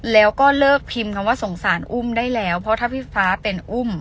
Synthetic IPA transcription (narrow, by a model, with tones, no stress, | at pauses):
lɛː˦˥wkɔː˥˩lɤː˥˩k̚pʰi˧mkʰa˧waː˥˩so˩˦ŋsaː˩˦nʔu˥˩mdaː˥˩jlɛː˦˥wpʰɔ˦˥t̪ʰaː˥˩pʰiː˦˥˩faː˦˥pe˧nʔu˥˩m